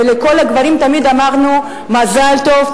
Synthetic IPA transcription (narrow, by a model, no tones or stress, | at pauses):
eleko̞laɡvaʁimt̪amid̪amaʁnu | mazalto̞v